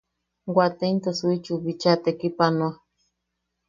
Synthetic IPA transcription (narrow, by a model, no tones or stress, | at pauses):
ɡʷat̪ent̪asuit͡ʃuβit͡ʃat̪ekipanoa